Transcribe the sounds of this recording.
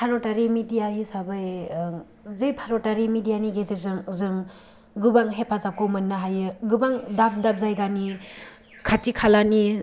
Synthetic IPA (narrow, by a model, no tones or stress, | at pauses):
pʰaɾɔtaɾimidijaɦisabɯj | zɯjpʰaɾɔtaɾimidijaniɡezezɯŋzɯŋ | ɡɯbaŋɦepʰazakʰomɯnːaɦajɯɡɯbaŋdap̚dap̚zajɡani | kʰatikʰalani